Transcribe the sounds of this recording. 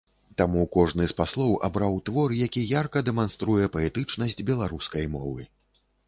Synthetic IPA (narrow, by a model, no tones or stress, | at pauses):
t̪amukɔʐnɨspaslˠɔwʔa̰bɾawt̪vɔrjakʲijarkɐd̪ɛmanst̪ɾujɛpɐɛt̪ɨt͡ʂnɐsʲd͡zʲbʲɛlˠaɾuskɐjmɔ̰vɨ